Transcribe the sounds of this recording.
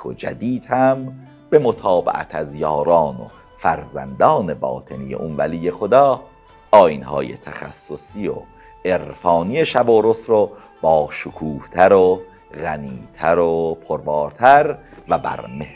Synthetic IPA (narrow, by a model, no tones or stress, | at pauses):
od͡ʒæ̰d̪iːd̪̥hæm | be̞mot̪ʰɑːbḛʔæ̰t̪ʰæzjɒːɾɑːno̰ | fæɾzæ̰nd̪ɒːne̞bɒ̰ːt̪ʰe̞nijḛʔunvælijːe̞xod̪ɒː | ɒːjinhɒ̰ːjḛt̪ʰæxæ̰sːosio̰ | ʔeɾfɒːnije̞ʃæboːɾosɾo | b̥ɒːʃokʰuːht̪ʰæɾo | ɣæniːt̪ʰæɾopʰoɾbɑːɾt̪ʰæɾvæbæ̰ɾme